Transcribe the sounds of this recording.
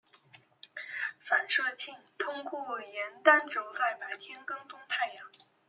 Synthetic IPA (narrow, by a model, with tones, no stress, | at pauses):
fa˨˩nʂɤ˥˧t͡ɕʰi˥˩ŋt̪ʰʊ˥ŋku˥˩jɛ˧˥nt̪a˥nʈ͡ʂo˨˧˥ʊt͡sa˥˩ɪma˨˩ɪt̪ʰjɛ˥nkɤ˥˩ŋt͡sʊ˥ŋt̪ʰa˥˧ɪjɑ˥˩˦ŋ